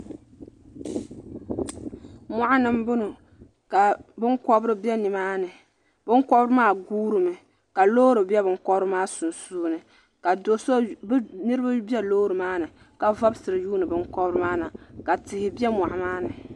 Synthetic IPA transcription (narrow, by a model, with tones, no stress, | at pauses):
mʷa˨ʔa˦nɨ˨mbʊ˦nʊ˨ | ka˨bɨ˦ŋkɔ˦bɾɨ˦bjɛ˦ni˨maː˦nɨ˨ | bɨ˦ŋkɔ˦bɨ˦ɾɨ˦maː˦˨ɡuː˦ɾɨ˨mɨ˨ | ka˨loː˦ɾɨ˨bɛ˦bɨ˦ŋkɔ˦bɾɨ˦maː˦sʊ˨nsuː˦nɨ˨ | ka˨do˨so˦bnɨ˦ɾɨ˦ba˦bjɛ˦loː˦ɾɨ˨maː˦nɨ˨ | ka˨va˦bsɨ˨ɾɨ˨juː˦nɨ˨bɨ˦nkɔ˦bɾɨ˦maː˦na˨ka˨tɪ˨hɪ˨bi˦ɛ˦ma˨ʔa˨maː˦nɨ˨